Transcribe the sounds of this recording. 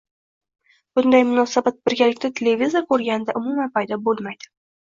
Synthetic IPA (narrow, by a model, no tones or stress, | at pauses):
b̥ʊnd̪ajmʊnɒsabat̪̚bɪɾɡʲalɪkʲt̪at̪ʰele̞vʲizoɾkʰɵɾɡʲanɪd̪aʔʊmumanpʰajd̪ɒbolˠmajd̪̥ɪ